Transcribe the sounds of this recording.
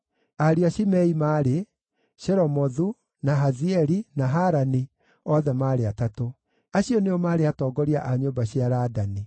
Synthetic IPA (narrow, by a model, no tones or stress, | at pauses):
aɾiaɕimɛimaːɾe | ʃɛɾɔmɔðu | naɦaziɛɾinaɦaɾani | ɔðɛmaːɾeatato | aɕiɔneɔmaːɾeatɔːɡɔɾiaʔaɲombaɕiaɾadani